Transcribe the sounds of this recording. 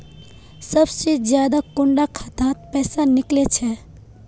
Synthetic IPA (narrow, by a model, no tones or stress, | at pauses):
sɐbsed͡ʒjaːd̪akʊɳɖakʰat̪ãːt̪̚pɛːsanɪklet͡ʃʰɛ